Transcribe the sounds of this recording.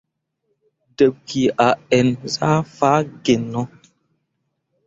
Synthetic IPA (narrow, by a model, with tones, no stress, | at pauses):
də˨p̚ki˨a˨ɛ˨nza˦fa˦ɡe˨nɔ˦